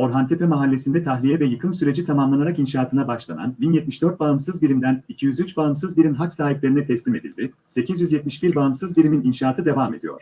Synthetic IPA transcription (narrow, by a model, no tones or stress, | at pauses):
o̞ɾɦant̪ʰepemaɦalʲːe̞sind̪ɛt̪ʰaxlʲijɛvɛjɯkʰɯnsyɾed͡ʒit̪ʰamamlˠanaɾakinʃaːt̪ʰɯnabaʃlˠa̰na̰nbinjɛt̪̚miʃd̪ø̞ɾt̪̚baɯnsɯzbiɾimd̪ænicʰijyzyt͡ʃbaɯnsɯzbiɾʲimɦaksaːɦiplʲeɾinɛt̪ʰɛslʲime̞d̪ḭlʲd̪i | se̞cʰizjyzjɛt̪̚miʃbiɾbaɯnsɯzbiɾʲimininʃaːt̪ʰɯd̪e̞vame̞̰d̪ḭjo̰ɾ̥